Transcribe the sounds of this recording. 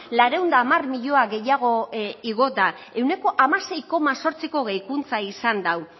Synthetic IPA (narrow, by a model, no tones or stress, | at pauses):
laɾe̞und̪aːmarmiʎo̞aɣe̞jaɣ̞o̞iɣo̞d̪a | e̞wne̞ko̞ʔamase̞jko̞maso̞ɾt͡siko̞ɣ̞ejkunt͡saisand̪aw